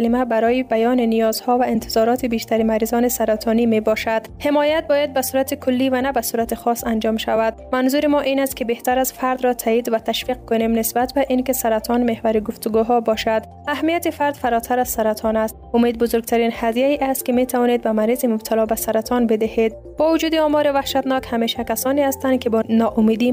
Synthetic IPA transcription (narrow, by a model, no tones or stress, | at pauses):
alɪmabaɾɔjibajɒninijɒz̥hɔvaɪnt̪ʰɪzɒɾɔt̪ʰibeʃt̪aɾimaɾizɔnɪsaɾat̪ʰɔnimebɔʃad̪hemɔjat̪̚bɔjad̪̚basuɾat̪ikʰʊlːivanabasuɾat̪ixɔsand͡ʒɒmʃavad̪̥manzuɾimɔʔinast̪̚kɪbeht̪aɾazfaɾd̪ɾɔt̪ʰaid̪vat̪ʰaʃfiq̚kʊnemnɪsbat̪baʔinkɪsaɾat̪ʰɔnmehvaɾiɡʊft̪ʊɡuɦɔbɒʃad̪ | ahmijat̪ifaɾd̪faɾɔt̪ʰaɾaz̥saɾat̪ʰɔnast̪ʊmed̪̚bʊzʊɾɡ̚t̪ʰaɾinhad̪jaiʔast̪̚kɪmet̪ʰavɒned̪̚bamaɾizimʊb̚t̪ʰalɒbasaɾat̪ʰɔnbed̪ɪhed̪̚ | b̥ɔvʊd͡ʒuːd̪iɔmɔɾivahʃat̪nɔkhameʃakasɔniast̪ankɪbɔnɒʔʊmed̪i